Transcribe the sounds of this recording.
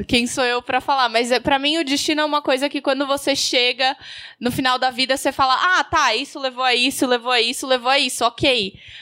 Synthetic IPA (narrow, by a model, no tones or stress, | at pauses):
kẽj̃soewpɾɐfalaɾmɐjzɛpɾɐmĩʊd͡ʒist͡ʃĩnʊɛũmɐkojzɐkɪkwɐ̃nd̪ʊvoseʃeɡɐnʊfinawd̪ɐvid̪ɐsefalɐʔat̪aisʊlevoaisʊlevowɐisʊlevoaisʊɔkʰej